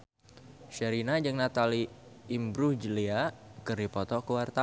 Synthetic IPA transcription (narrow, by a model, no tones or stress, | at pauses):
ʃəɾinad͡ʒɨŋnat̪aliːmbɾud͡ʒəliakɨrdipɔt̪ɔkuwart̪a